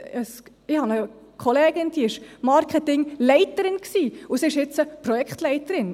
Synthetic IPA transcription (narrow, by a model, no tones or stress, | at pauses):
əs | ɪhɑnə | kʰχoleːɡ̥ɪnd̪̥iɪʃmɑɾkʰɛtɪŋlɛɪtəɾɪnksiːʊsiɪʃɪt͡səprɔjɛkχtlɛɪtəɾɪn